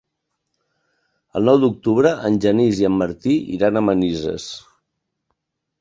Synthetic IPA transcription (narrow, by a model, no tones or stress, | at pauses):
ə̰lˠnɔwd̪uk̚t̪uβɾəʔənʲʒəniziəmːəɾt̪iʔḭɾanəmənizə̰s